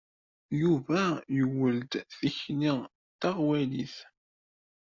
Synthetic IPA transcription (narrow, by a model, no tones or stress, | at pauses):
juvæjəwːəld̪θiçni | t̪aʁwæliθ